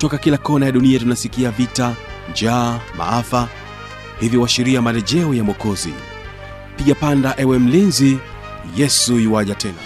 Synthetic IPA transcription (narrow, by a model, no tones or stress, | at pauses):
tɔkakilakɔnajaɗuniatunasikiavita | nd͡ʒaːma̰afa | hivjiwaʃiɾiamalɛʄɛɔjamɔkɔzḭ | piɠapandaʔɛwɛm̩linzi | jɛsujiwaʄatʰɛna̰